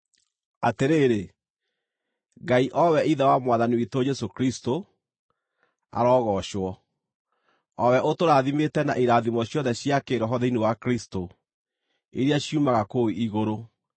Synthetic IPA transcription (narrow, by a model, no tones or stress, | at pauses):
ateɾeːɾe | ɡaiʔɔwɛiðawamwaðaniwitod͡ʒɛsokɾisto | a̰ɾɔːɣɔɕwɔ | ɔwɛʔotoɾaðimetɛna̰ʔiɾaðimɔɕjɔðɛɕjakeɾɔɦɔðeinewakɾisto | eɾeaɕiumaɣakoiiɣoɾo